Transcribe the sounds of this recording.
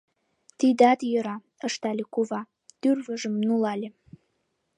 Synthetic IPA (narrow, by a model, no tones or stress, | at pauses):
t̪id̪ɑd̪jəɾɑ | ə̆ʃt̪ɑlʲekuvɑ | t̪yrvəʒə̆mnulɑlʲe